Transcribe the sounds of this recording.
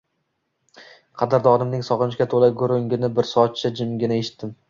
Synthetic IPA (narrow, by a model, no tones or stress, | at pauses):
qʰɑd̪aɾd̪ɒnɪmnɪŋsɒʁɨnɪʃkʲat̪ʰolaɡʊɾʊŋɡʲɪnɪbɪɾsɒt̪̚t͡ʃʰɪd͡ʒɪmɡʲɪnaeʃɪ̥t̪ːɪm